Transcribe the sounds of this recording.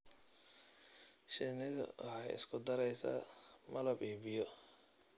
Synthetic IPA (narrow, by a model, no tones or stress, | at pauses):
ʃɪnɪðʊ̰ʔhɛjɪ̰skʰʊd̪ɐɾɛjsɐ̰mɐlɐbiːbɪjɔ